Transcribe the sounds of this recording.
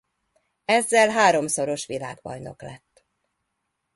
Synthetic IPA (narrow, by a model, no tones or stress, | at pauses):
ɛzːɛlɦaːɾo̞mso̞ɾo̞ʃʋila̰ːɡbɒ̰jno̞̰klɛt̪ː